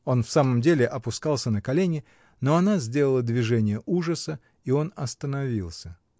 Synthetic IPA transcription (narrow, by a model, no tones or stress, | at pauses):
o̞nfsaməmdʲelʲɪʔɐpʊskalˠsʲənəkɐlʲenʲɪ | no̞ɐnazʲdʲe̞ləlˠəd̪vʲɪʐɛnʲɪjəʔuʐəsə | io̞nɐst̪ənɐvʲilˠsʲə